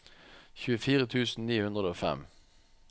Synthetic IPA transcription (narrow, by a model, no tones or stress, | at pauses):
çʉːəfiːʁət̪ʰʉːsn̩niːhʉnʁəd̪oːfɛ̰m